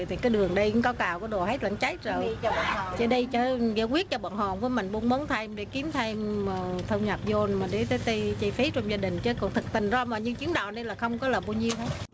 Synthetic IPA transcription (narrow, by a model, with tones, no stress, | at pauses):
t̪ʰi˨˩kaː˨˦jɗɨ˨˩əŋɗə˧jkɨ˧˥ŋkɔ˨˦kaː˨˩wkɔ˨˩˦ɗo˨˩hə˦˥jt̚la̰˧˩˦ŋt͡ɕa˨˦˥j̚zəː˨˩jt͡ɕəː˧˩ɗə˧jt͡ɕəː˧˩ɣɛ̰˧˥kwi˦˥ət̚t͡ɕɔ˧ɓa̰ː˧˩ŋhɔ˧˨˩nvəː˨˦jmï˨˩ŋ̟ɓu˧nmo˨˦nt̪ʰa˧jmɗḛ˧˩ki˨˦əmt̪ʰa˧jməː˨˩t̪ʰə˧wŋ͡mɲa˨˩p̚zo˧nmaː˨˩ɗe˨˦t̪əː˨˦jt̪ə˧jt͡ɕə˧jfi˨˦t͡ɕɔ˧wŋ͡mzaː˧ɗï˨˩ŋ̟t͡ɕəː˨˦kɔ˨˩nt̪ʰɨ˨˩k̚t̪ï˨˩ŋ̟zɔ˧maː˨˩ɲɨ˧t͡ɕɨ˨˦əŋɗaː˨˩nə˧laː˨˩xə˧wŋ͡mkɔ˨˦laː˨˩ɓaː˧wɲi˧əwɦə˨˦jt̚